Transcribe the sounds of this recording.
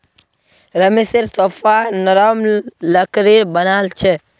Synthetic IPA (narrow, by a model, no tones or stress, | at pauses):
ɾɐmisiɾsɔfanɔɾɔmlɐkɾiɾbɐnalt͡ʃɛ